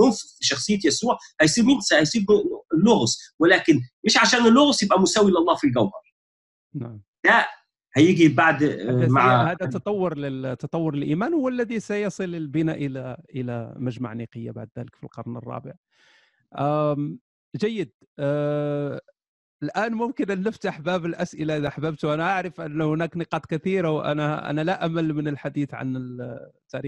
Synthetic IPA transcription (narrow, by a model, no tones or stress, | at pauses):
lʊnsfiʃɑxsˤɨjːat̪jæsuːʕhæjsˤiːɾmɪnsahæjsˤiːblːʊɣswɪlæːkɪneːʃʕaʃæːnɪlːʊɣsjɪbʔæmʊsæːwilɑlˤːɑːfilɡæwhɑɾˤ | naʕm | d̪̥æʔ | hæjɪɡibaʕd̪æmaʕhæːd̪æt̪ɑt̪ˤːɑwːʊɾˤlɪt̪ːɑt̪ˤɑwːʊɾˤɪlʔiːmæːnhʊwːælːæðisæjɑsˤɨlɪlbɪnaʔəlæʔəlæ̰mæʒma̰ʕniqəjːa̰ba̰ʕd̪ðæləkfilqɑɾˤnə̰rˤːɑ̰ːbəʕ | ʔ | ʒæjːəd̪̚ | əlʔæːnmʊmkənʔənːəft̪ʔaħbæbəlʔæsʔɪlaʔʔaħbæːb̚t̪wʔænaʔaʕɾəfʔənːhʊnæːknəqɑːt̪ˤkæt̪iɾawʔæ̰næʔæ̰nælæʔæmælmənəlħad̪iːθʕa̰nət̪ːæɾi